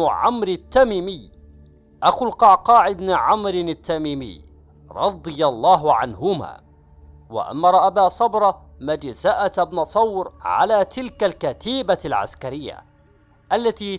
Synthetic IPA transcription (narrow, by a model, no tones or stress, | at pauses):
ʕa̰mɾɪt̪ːamiːmɪj | ʔaxʊlqɑʕqɑːʕɪbnʕamɾɪnat̪ːamiːmɪ̰ː | ɾˤɑd̪ˤɨjɑlˤːɑːɦʕa̰nhʊma̰ː | wa̰ʔa̰mːɑɾˤɑʔabaːsˤɑbɾˤɑmad͡ʒzaʔat̪abnɑt̪ˤːɑwɾʕa̰laːt̪ɪlkalkat̪iːbalʕa̰skaɾɪjːa̰ | ʔalːat̪iː